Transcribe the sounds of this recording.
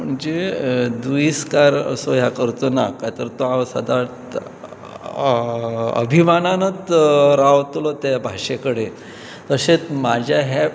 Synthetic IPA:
m̤əɳd͡zed̪uiskaɾə̰soɦjakəɾt̪onakat̪əɾt̪oaʋsə̰d̪at | ə̰bʱimananət͡sɾaʋt̪lɔt̪jabʱaʂekəɽe | t̪əset͡smad͡ʑʱjaɦa

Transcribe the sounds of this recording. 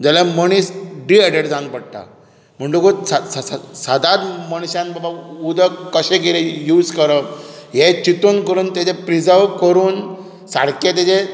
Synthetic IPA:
d͡ʑalaməɽ̃iːsɖiɛɖeʈd͡zãnpəɽʈ̪a̰ | m̤əɳɖukosaasad̪ad̪məɳ̃ɕãnbabaud̪ʱəkəɕẽɡelejuːd͡zkəɾəɦet͡ɕit̪onkəɾuːnt̪ad͡ʑepɾid͡zaʋkəɾuːn | sa̰ɽket̪̬et͡ɕe

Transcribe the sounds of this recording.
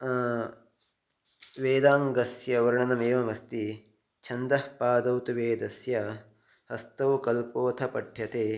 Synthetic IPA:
ʋeːd̪aːŋɡɐsjɐʋɐɾɐɳɐnɐmeːʋɐmɐst̪i | t͡ʃʰɐnd̪ɐhpaːd̪ɐwt̪uʋeːd̪ɐsjɐ | hɐst̪ɐwkɐlpoːt̪ʰɐpɐʈʰjɐt̪eː

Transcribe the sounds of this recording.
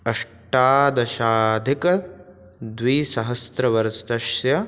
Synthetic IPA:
ɐʂ | ʈaːd̪ɐʃaːd̪ʱikɐ | d̪ʋiːsɐɦɐst̪ɾɐʋɐɾst̪ɐʃjɐ

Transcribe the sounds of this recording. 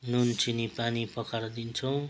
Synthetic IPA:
nunt͡sinipanipʌkaɾd̪int͡sʰʌw̃

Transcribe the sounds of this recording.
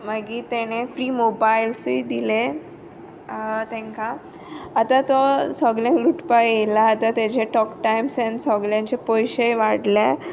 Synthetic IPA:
məɡiːt̪eñefɾiːmobailsiːd̪ile | t̪ɛ̃ŋkaː | t̪at̪ɔsɔɡlãnɾuʈpajelaːt̪at̪ed͡ʑeʈɔkʈajmsɛ̃nsɔɡljãɲt͡ɕepɔjɕeʋaɽle

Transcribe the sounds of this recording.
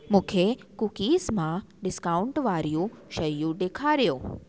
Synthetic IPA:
mʊ̃kʰekukismãɖɪskauɳʈʋaɾjũʃəɾjũd̪ekʰaɾjõː

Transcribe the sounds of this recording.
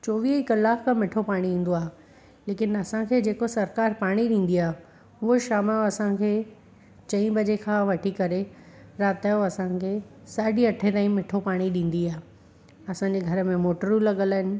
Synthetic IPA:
t͡ɕoːʋiːɦɪkɐlːaːkkʰãmɪʈʰopaːɽ̃iĩːn̆d̪oaːɦe | leːkɪnɐsãkʰeːd͡ʑeːkosɐɾkaːɾpaːɽ̃iɗĩːn̆d̪iaːɦe | uɦoʃaːmaoɐsãkʰeː | t͡ɕɐ̃ĩbʱɐd͡ʑekʰãːʋɐʈʰikɐɾe | ɾaːt̪aːjoɐsãkʰeː | saːɖiɐʈʰẽt̪aːĩmɪʈʰopaːɽ̃iɗĩːn̆d̪iaːɦe | ɐsãːɲd͡ʑeɡʱɐɾə̆mẽmoːʈəɾulɐɠələɦɪnɪ̆

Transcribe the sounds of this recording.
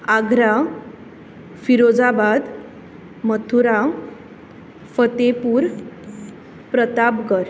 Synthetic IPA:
aɡʱɾa | fiɾod͡zabad̪ | mət̪ʰuɾa | fət̪epuːɾ | pɾət̪apɡəɾ

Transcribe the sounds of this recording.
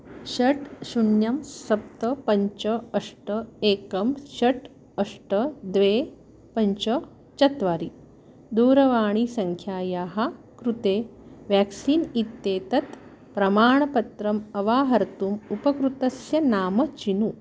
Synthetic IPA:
ɕɐʈɕunjɐmsɐp̚t̪ɐpɐɲt͡ʃɐɐʂʈɐeːkɐmɕɐʈ | ɐʂʈɐd̪ʋeː | pɐɲt͡ʃɐ | t͡ʃɐt̪ʋaːɾi | d̪uːɾɐʋaːɳ̃isɐŋkʰjaːjaːɦa | kɾut̪eːʋjæksiːnit̪ːeːt̪ɐt̪ | pɾɐmaːɳɐpɐt̪ɾɐmɐʋaːɦɐɾt̪uːmupɐkɾut̪ɐsjɐnaːmɐt͡ʃinu

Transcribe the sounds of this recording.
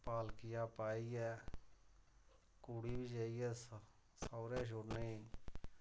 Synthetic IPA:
paːlkɪjaːpaːiːɛː | kuːɽiːbid͡ʒaːiɛːs | saːɾɛːʃ̬oɽne

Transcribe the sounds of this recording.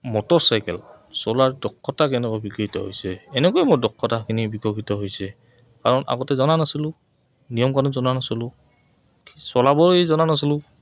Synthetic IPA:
mɔtɔsajkɛ̰l | sɔlaɹdɔkʰːɔtakɛnɛkɔbikitɔɦo̰jsɛːnɛkojmodɔkʰːɔtakʰinibikɔkʰitɔɦojsɛ | kaɹɔna̰ɡɔtɛzɔnanasilʊ̃ | nijɔmkaɹɔnzɔnanasilʊ | ksɔlabɔɹjzɔnanas̬ilʊ̃

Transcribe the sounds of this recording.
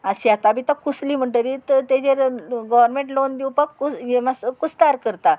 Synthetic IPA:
aɕiat̪abit̪akusliːm̤əɳʈ̪əɾit̪t̪ed͡ʑeɾɡɔʋəɾmẽɳʈlond̪iwpəkːuemaskut͡st̪aɾkəɾt̪a

